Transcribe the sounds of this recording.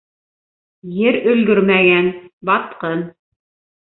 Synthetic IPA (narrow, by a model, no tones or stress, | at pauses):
jɘɾɵ̆lɡ̪ɵɾmæɡænbɑt̪qɤn